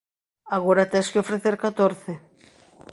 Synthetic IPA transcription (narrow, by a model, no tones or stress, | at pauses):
aɣoɾat̪ɛskɪofɾeθeɾkat̪oɾθɪ